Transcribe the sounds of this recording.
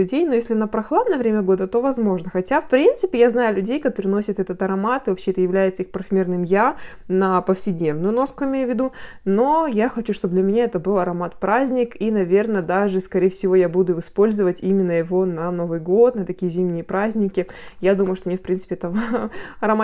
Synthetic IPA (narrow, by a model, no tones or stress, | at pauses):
ʉdʲejnojesʲlʲɪnəpɾɐxlˠad̪nəjəvɾʲemʲəɡo̞d̪ət̪o̞vɐzmo̞ʐnəxɐtʲafpɾʲint̪sɨpʲɪjaznajʊlʲʉdʲejkɐt̪oɾʲɪno̞sʲɪt̪ɛt̪ət̪ɐɾɐmat̪ɨvɐpɕːeɛt̪əjɪvlʲæjɪt̪səixpɾəfʲɪmʲirnɨmjanɐpəfsʲɪdʲnʲe̞vnʊjʊno̞skʊɪmʲejʊvʲːɪd̪u | no̞jaxɐt͡ɕuʂt̪obd̪lʲɐmʲɪnʲaɛt̪əbɨlˠɐɾɐmat̪̚pɾazʲnʲɪkinɐvʲe̞rnəd̪aʐɨskɐɾʲejəfsʲɪvo̞jabud̪ʊɨspo̞lʲzəvətʲimʲɪnːəjɪvo̞nɐno̞vɨjɡo̞t̪nət̪ɐkʲijəzʲimnʲɪjəpɾazʲnʲɪkʲɪjad̪uməjʊʂt̪onʲefpɾʲinsɨ̥pʲɪɛt̪əɐɾɐma